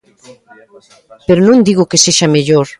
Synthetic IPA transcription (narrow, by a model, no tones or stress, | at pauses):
peɾonõŋd̪iɣokeseʃameʎoɾ